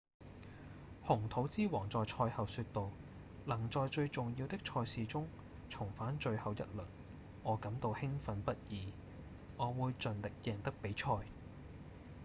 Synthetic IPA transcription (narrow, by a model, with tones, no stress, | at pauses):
hʊ˨˩ŋt̪ʰo˨˥wt͡siː˥wɔː˨˩ŋt͡sɔː˨jt͡ʃʰɔː˧jhɐ˨wsyː˧t̚t̪o˨w | lɐ˨˩ŋt͡sɔː˨˧jt͡ʃɵ˧ɥt͡sʊ˨ŋjiː˧wt̪ɪ˥k̚t͡ʃʰɔː˧jsiː˨t͡sʊ˥ŋ | t͡sʰʊ˨˩ŋfaː˨˥nt͡ʃɵ˧ɥhɐ˨wjɐ̰˥t̚lɵ˨˩n | ɔː˨˧kɐ˨˥mt̪o˧whɪ˥ŋfɐ˨˧npɐ˥t̚jiː˨˧ | ŋɔː˨˧wuː˨˧jt͡ʃɵ˨nlɪ˨k̚jɛː˨ŋt̪ɐ˥k̚pe˨˥jt͡ʃʰɔː˧j